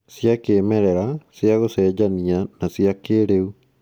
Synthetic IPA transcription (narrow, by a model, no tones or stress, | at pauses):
sjakeːmɛɾɛɾasjaɣosɛd͡ʑanianasiakeɾeu